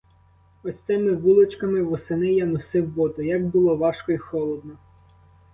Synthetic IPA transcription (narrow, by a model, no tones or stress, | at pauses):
ɔsʲt̪sɛmɪʋulˠɔt͡ʃkɐmɪʋɔsenɪjanɔsɪwːɔt̪ɔjaɡbʊlˠɔʋɑʃkɔixɔlˠɔd̪̚nɔ